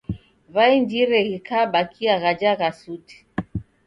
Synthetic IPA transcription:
vaind͡ʒiɾɛɣikʰaɓakʰiaɣad͡ʒaɣasuti̥

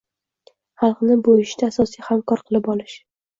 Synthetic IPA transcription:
χɑlˠqnɪbʊɪʃt̪aːsɒsijhamkɒɾqʰɨlˠɪpɒlɪʃ

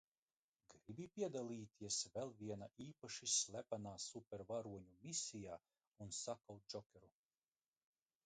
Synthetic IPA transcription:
ɡɾibipʲiɛd̪alˠiːt̪ʰiɛsvɛlˠviɛnaʔiːpaʃisʲlʲˠæpanaːsupʲɛɾvaɾuɔɲumisʲijaː | unsakawt̪̚d͡ʒɔkʲɛɾu

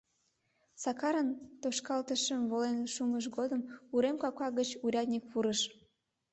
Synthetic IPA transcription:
sɑkɑɾənt̪oʃkɑlt̪əʃəmβolenʃuməʃ̬ɣod̪əmuɾemkɑkɑɣət͡ɕuɾʲɑt̪nʲik̚puɾəʃ

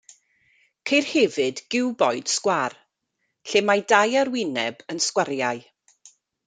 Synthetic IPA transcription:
kʰejrhɛvɨdɡɪwbɔɨd̥skwar | ɬemajdajaɾwɪnɛbənskwaɾjaj

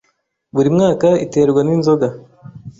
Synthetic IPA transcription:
βuɾimŋaːkaite̞ɾɡwaninzo̞ɡa

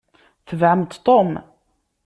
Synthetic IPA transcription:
θəvʕəmt̪t̪om

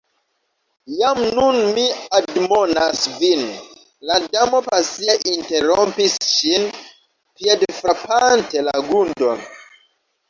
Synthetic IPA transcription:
jamnunmiadmo̞nasvin | ladamo̞pasieʔinteɾompisʃin | piedfɾapante̞laɡundo̞n

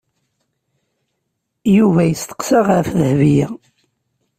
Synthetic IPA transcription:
juvæjəst̪ə̥qsɑʁfðəhvijæ

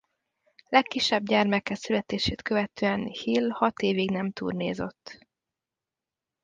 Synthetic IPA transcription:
lɛkːiʃːɛbɟɛrmɛkːɛsylɛt̪eːʃeːt̪kø̞vɛt̪øːɛnhilhɒt̪eːviɡnɛmt̪ṵːrneːzøt̪ː

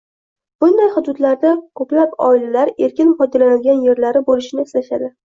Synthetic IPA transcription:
b̥ʊnd̪ajhʊd̪ʊd̪laɾd̪akʰɵplapɒ̰ɪlalaɾe̞ɾkʲɪnpɒjd̪alanɪlɡʲanje̞ɾlaɾɪbolɪʃɪnɪɪslaʃad̪ɪ

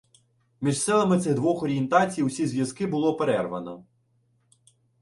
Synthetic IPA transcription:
mʲiʒsɛlˠɐmɪt̪sɪɣd̪ʋɔxɔɾʲient̪ɑt͡sʲijwsʲizʲʋʲjɐzkɪbʊlˠɔpeɾɛrʋɐnɐ̰

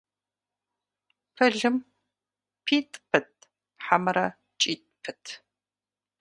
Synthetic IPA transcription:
pʰɐɮɨm | pʰiːtʼpʰɨt̚ʰʼ | ħamɐɾɐ | t͡ʃʼiːtʼpʰɨtʰ

